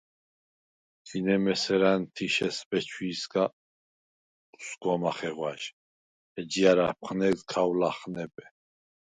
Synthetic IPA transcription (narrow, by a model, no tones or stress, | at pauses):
ɡinɛmɛsɛɾant̪ʰiʃɛsbɛt͡ʃʰwiːsɡa | u̥sɡɔmaχɛʁwaʃ | ɛd͡ʒiaɾap̚ʰχnɛkzkʰawlaχnɛpʼɛ